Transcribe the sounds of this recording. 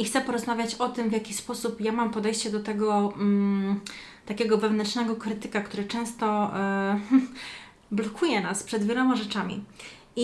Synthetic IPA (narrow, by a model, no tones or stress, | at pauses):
ixt̪sɛpɔɾɔzmavʲjat͡ɕɔt̪ɘmvʲjakʲispɔsupjamampɔd̪ɛjɕt͡ɕɛd̪ɔt̪ɛɡɔ | t̪akʲɛɡɔvɛvnɛntʂnɛɡɔkɾɘt̪ɘkakt̪uɾɘt͡ʂɛ̃w̃st̪ɔ | blɔkʰujɛnaspʂɛd̪vʲjɛlɔmaʐɛt͡ʂamʲḭ | i